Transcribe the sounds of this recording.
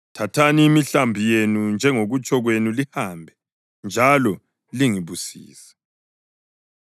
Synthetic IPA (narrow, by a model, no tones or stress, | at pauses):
tʰatʰaniːmiɬambʱijenund͡ʒʱɛŋoɣut͡ʃʼʰɔɣwenulihambʱɛ | nd͡ʒʱalɔ | liŋiβusḭːsɛ̥